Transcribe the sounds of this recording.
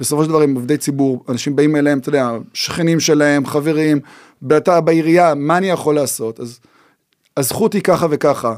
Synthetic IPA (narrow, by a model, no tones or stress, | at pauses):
b̥esofoʃeldavaimovd̪ejt͡sibuʁanaʃimbaimeleemt̪od̪eaʃχenimʃe̞lahe̞mχave̞ʁim | beatabaiʁijamaːnijaχo̞laːso̞taz | azχutikaχave̞kaχa